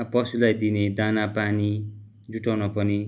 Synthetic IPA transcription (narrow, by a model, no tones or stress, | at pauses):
pʌsulajd̪ined̪anapani | d͡zuʈawnʌpʌni